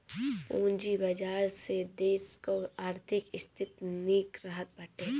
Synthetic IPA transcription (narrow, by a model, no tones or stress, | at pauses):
pũːnd͡ʒibɐd͡ʒaːɾsed̪eːskoaːɾt̪ʰɪkɪst̪ʰɪt̪niːkɾəɦət̪̚bəʈʰẽː